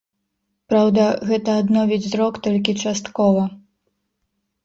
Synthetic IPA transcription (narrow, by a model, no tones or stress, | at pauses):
pɾawd̪ɐɣɛt̪ɐːd̪nɔvʲid͡zʲzɾɔkt̪ɔlʲk̬ʲit͡ʂast̪kɔvɐ